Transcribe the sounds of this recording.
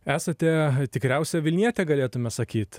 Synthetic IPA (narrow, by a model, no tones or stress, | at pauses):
æːsɐt̪ʲɛt̪ʲɪkɾʲæʊsʲɛʋʲɪlʲnʲiɛt̪ʲɛɡɐlʲeːt̪ʊmʲɛsɐkʲiːt̪